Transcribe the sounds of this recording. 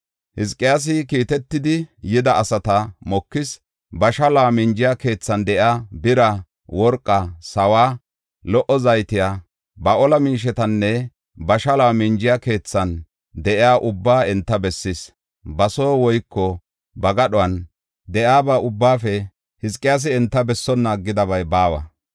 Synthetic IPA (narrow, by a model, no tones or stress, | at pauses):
hɪskʼːɪjaːs̬ɪkiːt̪ɛt̪ːɪd̪ɪjɪd̪ɐːsɐt̪ɐmɔkːɪs | bɐʃɐlaːmɪnd͡ʒɪjake̞ːt͡sːɐnd̪ɛʔjaːbɪɾɐ | wɔɾkʼːɐsɐwaː | lɔʔɔzɐjt̪ɪjaː | bɐʔɔlɐmiːʃ̬ɛt̪ɐnːɛ | bɐʃɐlaːmɪnd͡ʒɪjake̞ːt͡sːɐn | d̪ɛʔɪjaːʔʊbːaːɛnt̪ːɐbɛsːɪs | bɐso̞ːwɔjkːɔ | bɐɡɐɗɔwɐn | d̪ɛjaːbaːʊbːaːfɛ | hɪskʼːɪjaːs̬ɪɛnt̪ːɐbɛsːɔnːaːɡːɪd̪ɐbɐjbaːwɐ̰